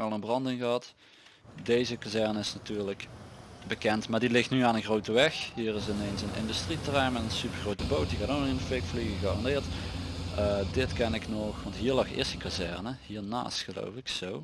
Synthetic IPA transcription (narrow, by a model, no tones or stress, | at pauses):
ʋɛlˠənbrɑndɪŋɣəɦɑt | dejzəkazɛɹnəɪsnatyːɹləkbəkɛntmaːɹdilɪxtnyaːnənɣrowtəʋɛxɦiːrɪsɪnejnsənɪ̰ndystritrɛjmɛnənsypəɹɣrowtəbowt̚dikaːtonɪnəfɪkfliɣəɣaːrɑndɪːɹt | ədɪtkɛnɪknɔxʋɑntɦiːɹlɑxɪ̰ɹsəkazɛɹnəɦiːɹna̰ːstxəlo̰wfɪksow